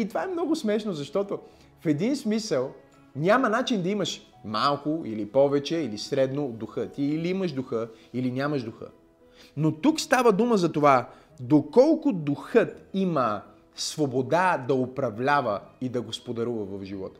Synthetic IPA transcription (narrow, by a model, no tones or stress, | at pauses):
it̪ovaɛmnɔɡʊsmɛʃnozɐʃt̪ɔt̪o | fɛd̪insmisəlˠ | nʲamɐnat͡ʃind̪ɐimɐʃ | malˠkʊḭlipɔvɛt͡ʃɛilisɾɛd̪nod̪ʊxət̪iːliiməʒd̪ʊxə | ilinʲamɐʒd̪ʊxə̰ | not̪ukst̪avəd̪uməzɐt̪ova | d̪okɔlˠkʊd̪ʊxət̪imə | svobod̪ad̪ɐopɾɐvlʲavəid̪ɐɡospod̪ɐɾuvɐvɐvʒivɔ̰t̪ɐ̥